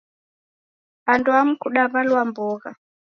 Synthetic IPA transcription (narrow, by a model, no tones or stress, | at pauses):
ɓantʼuam̩kʰuɗaβalwambɔːɣa̰